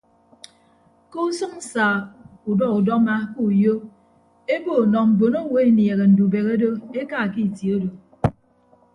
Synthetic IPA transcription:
ko˦u˦sɨ˦ŋ̩˦saː˨u˨dɔ˦ku˨dɔ˦ma˦ku˦u˨jo˦ | e˦bo˦˨nɔ˨m̩˨bo˨no˦wo˨e˦nje˨ɣe˨n̩˨du˨be˨ɣe˦do˦e˦ka˦˨ki˦˨tjo˦do˨

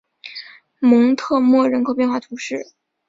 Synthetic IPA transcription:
mɤ˧˥ŋt̪ʰɤ˥˧mwɔ˥˩ɻə˧˥nkʰo˧˥ʊpjnxwa˥˩t̪ʰu˧˥ʂɻ̩˥˩

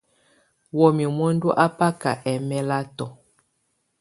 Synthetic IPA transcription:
wɔ˨mi˨mo˦n˦du˦ʔa˦pa˦ka̰˨ʔɛ˨mɛ˦la˦tɔ˨

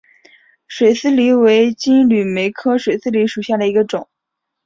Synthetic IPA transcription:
ʂwe˨˩ɪsɹ̩˥li˧˥we˧˥ɪt͡ɕi˥nly˨˩me˧˥ɪkʰɤ˥ʂwe˨˩ɪsɹ̩˥li˧˥ʂu˨˩ɕja˥˩d̪ə˩i˧˥ɡə˧ʈ͡ʂʊ˨˩˦ŋ

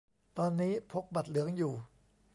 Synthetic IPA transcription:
t̪ɔː˧nːiː˦˥pʰo˦˥k̚ba˨˩t̪̚lɯ˩˦əŋjuː˨˩

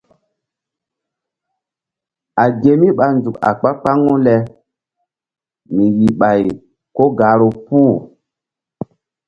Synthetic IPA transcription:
a˨ɡe˨mi˦ɓa˨nzu˨ka̰˨k͡pa˦k͡pa˦ŋo˦lɛ˨ | mi˨ɣi˨ɓa˨j | ko˦ɡa˨˦ɾo˨pu˦

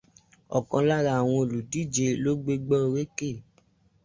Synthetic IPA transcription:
ɔ̰˨kã˧la˦ɾa˧˨w̃ɔ̃˧o˨lu˨di˨˦˨d͡ʒe˧lo˦ɡ͡be˦ɡ͡bɔ˦˧ɾe˦ke˦˨

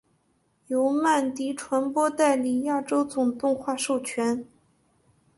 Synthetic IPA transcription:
jo˧˥ʊma˥˩nt̪i˧˥ʈ͡ʂʰwa˧˥npwɔ˥t̪a˥˩ɪli˨˩ja˥˩ʈ͡ʂo˥ʊt͡sʊ˨˩ŋt̪ʊ˥˧ŋxwa˥˧ʂo˥˩ʊt͡ɕʰɥɛ˧˥n

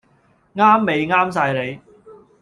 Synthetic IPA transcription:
ŋaː˥mːe˨jŋaː˥ms̬aː˧jle˨˧j

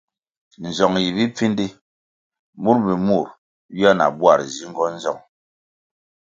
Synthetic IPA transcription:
n̩˨zɔ˨ŋji˨bi˦p͡fi˦ndi˦ | mu˦ɾbi˨mu˦˨ɾ | bi˦a˦na̰˨bwa̰˦˨ɾzi˦ŋ̩˦ɡɔ˦n̩˦zɔ̰˦˨ŋ

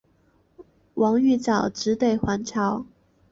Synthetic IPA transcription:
wʔɑ˧˥ŋy˥˩t͡sɑ˨˩ʊʈ͡ʂɻ̩˧˥t̪we˥˩ɪxwa˧˥nʈ͡ʂʰɑ˧˥ʊ

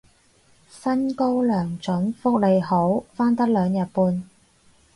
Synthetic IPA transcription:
sɐ˥nko˥wlœː˨˩ŋt͡ʃɵ˨˥nfʊ˥k̚le˨˧jho˨˥wfaː˥nt̪ɐ˥k̚lœː˨˧ŋjɐ˨t̚puː˧n

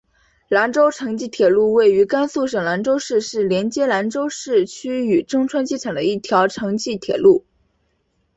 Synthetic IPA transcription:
la˧˥nʈ͡ʂo˥ʊʈ͡ʂʰɤ˧˥ŋt͡ɕi˥˩t̪ʰjɛ˨˩lu˥˧we˥˩ɪy˧˥ka˥nsu˥˩ʂɤ˨˩ŋla˧˥nʈ͡ʂo˥ʊʂɻ̩˥˧ʂɻ̩˥˩ljɛ˧˥nt͡ɕjɛ˥la˧˥nʈ͡ʂo˥ʊʂɻ̩˥˩t͡ɕʰy˥y˨˩ʈ͡ʂɤ˥ŋʈ͡ʂʰwa˥nt͡ɕi˥ʈ͡ʂʰɤ˨˩d̪ə˦i˥˩t̪ʰjɑ˧˥ʊʈ͡ʂʰɤ˧˥ŋt͡ɕi˥˩t̪ʰjɛ̰˨˩lu˥˩

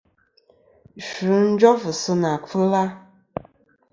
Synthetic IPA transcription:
ʃu˨˦n̩˦d͡ʒɔ˦fɨ˨sɨ˦na˨fɨ˦la˦

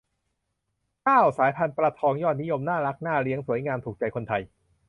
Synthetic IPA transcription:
kaː˥˩wsaː˩˦jpʰa˧npɾa˧t̪ʰɔː˧ŋjɔː˥˩t̪̚ni˦˥jo˧mnaː˥˩ɾa˦˥k̚naː˥˩ɾi˦˥əŋsu˩˦əjŋaː˧mt̪ʰuː˨˩k̚t͡ɕa˧jkʰo˧nt̪ʰa˧j

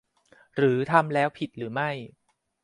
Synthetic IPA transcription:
ɾɯː˩˦t̪ʰa˧mlɛː˦˥wpʰi˨˩t̪̚ɾɯː˩˦ma˥˩j

